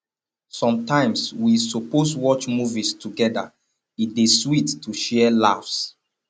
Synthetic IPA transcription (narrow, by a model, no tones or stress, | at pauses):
sɔ̃mtãɪ̃mswisoposwɔt͡ʃmuvistʰuɡɛda̰ | it̚deswitːʰuʃɛɛlafs